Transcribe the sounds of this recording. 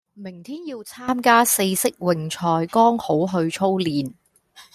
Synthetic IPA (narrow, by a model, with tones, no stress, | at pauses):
mɪ˨˩ŋt̪ʰiː˥njiː˧wt͡sʰaː˥mkaː˥se˧jsɪ˥k̚wɪ˨˩ŋt͡ʃʰɔː˧jkɔː˥ŋho˨˥wɦɵ˧ɥt͡sʰo˥wliː˨n